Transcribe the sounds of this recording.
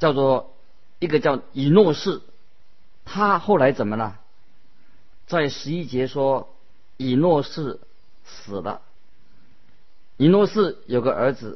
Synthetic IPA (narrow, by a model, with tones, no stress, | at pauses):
t͡ɕjɑ˥˧ʊt͡swɔ˥˩ | i˥˩ɡə˧t͡ɕjɑ˥˩ʊi˨˩nwɔ˥˧ʂɻ̩˥˩ | t̪ʰa˥xo˥˩ʊla˧˥ɪt͡sə˨˩nmə˦nə˧ | t͡sa˥˩ɪʂɻ̩˧˥i˥t͡ɕjɛ˧˥ʂwɔ˥ | i˨˩nwɔ˥˧ʂɻ̩˥˩ | sɹ̩˨˩lə̰˦ | i˨˩nwɔ˥˧ʂɻ̩˥˩jo˨˩ʊɡə˦ʔə˞˧˥d͡zɹ̩˧